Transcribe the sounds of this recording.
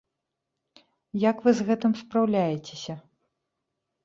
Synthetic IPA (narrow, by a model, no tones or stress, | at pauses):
jɐkvɨzɣɛt̪ɨmspɾawlʲajɛt͡sʲesʲɐ